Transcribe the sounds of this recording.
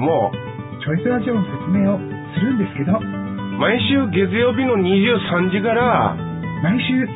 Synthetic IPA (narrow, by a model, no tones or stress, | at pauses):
mo | t͡ɕo̞isɨɾaʑiõnːose̞t͡sɨme̞ːosɨɾɯ̟̃nd̪e̞sɨ̥ke̞d̪omaiɕɨːɡe̞t͡sɨjo̞ːbʲino̞ɲ̟iʑɨːsãɲ̟d͡ʑikaɾa | maiɕɨː